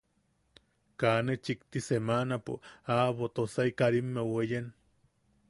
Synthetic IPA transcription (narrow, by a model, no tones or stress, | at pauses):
kanet͡ʃikt̪isemanapo̰aβot̪osaikaɾimːewejen